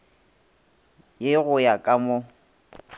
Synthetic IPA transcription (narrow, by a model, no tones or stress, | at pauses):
jɪɣʊjakʼamʊ